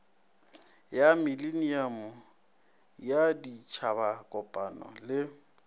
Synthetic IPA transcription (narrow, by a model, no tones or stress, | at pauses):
jamiliniamʊ | jadit͡ʃʰabakʼɔpʼanɔ̰lɪ